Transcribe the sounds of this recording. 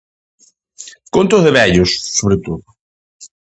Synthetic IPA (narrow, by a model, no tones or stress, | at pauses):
kont̪ʊzðeβɛʎʊsːoβɾet̪oðʊ